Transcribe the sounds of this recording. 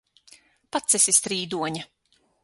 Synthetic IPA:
pat̪sɛsist̪ɾiːd̪uɔɲa

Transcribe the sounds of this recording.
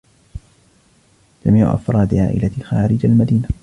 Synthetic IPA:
d͡ʒamiːʕʊ̰ʔa̰fɾˤɑːd̪ʕa̰ːʔɪ̰laxaːɾɪd͡ʒalmad̪iːna

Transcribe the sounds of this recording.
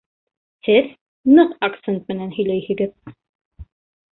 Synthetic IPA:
hɘð | nɤqakt̪sent̪̚mɘ̆nænhɵ̆jlæjhɘ̆ɡɘð

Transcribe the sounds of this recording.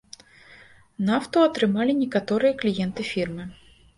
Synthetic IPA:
naft̪uɐt̪ɾɨmalʲinʲɛkat̪ɔɾɨjɐklʲijɛnt̪ɨfʲirmɨ

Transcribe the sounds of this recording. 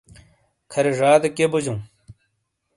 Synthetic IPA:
kʰɐɾeʐaːd̪ɐkebud͡ʑũː

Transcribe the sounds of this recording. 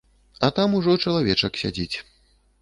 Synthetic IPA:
ɐt̪amuʐɔt͡ʂɐlˠavʲɛt͡ʂɐksʲad͡zʲit͡sʲ

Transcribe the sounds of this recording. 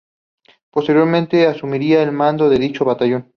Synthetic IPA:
post̪eɾjoɾmẽnt̪e̞asumiɾiaelmãnd̪o̞ðe̞ðit͡ʃoβat̪aʝon

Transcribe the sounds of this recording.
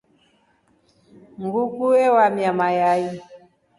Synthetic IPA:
ŋɡukuɛwamjamajai

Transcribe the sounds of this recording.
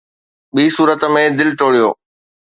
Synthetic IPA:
ɓiːsuːɾət̪mẽd̪ɪlʈoːɽijo̰ː

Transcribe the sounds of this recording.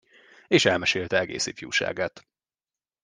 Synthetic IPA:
eːʃɛlmɛʃeːlt̪ɛɛɡḛːsifjṵːʃa̰ːɡat̪

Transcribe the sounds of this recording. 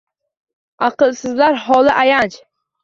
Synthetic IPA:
ɑqɨlˠsɪzlaɾhɒlˠɪʔajant͡ʃ

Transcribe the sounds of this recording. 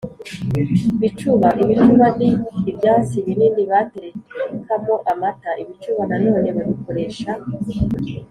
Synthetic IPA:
iβit͡ʃuβaʔiβit͡ʃuβaniːbjaːt͡siβinindiβateɾekeekʰamoʔamataʔiβit͡ʃuβanano̞ːneβaβuko̞ɾe̞ːʃa

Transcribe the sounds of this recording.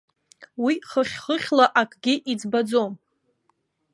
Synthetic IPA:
wiχəχʲχəχʲlaʔakʼɡʲɪʔid͡zbad͡zom

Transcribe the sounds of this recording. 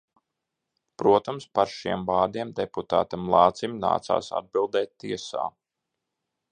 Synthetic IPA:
pɾuɔt̪amspaɾʃiɛmbaːd̪iɛmd̪eput̪a̰ːt̪amlˠɑːt̪simʲna̰ːt̪sa̰ːsa̰d̪̚bilˠd̪ɛːt̪̚ʲt̪ːiɛsa̰ː

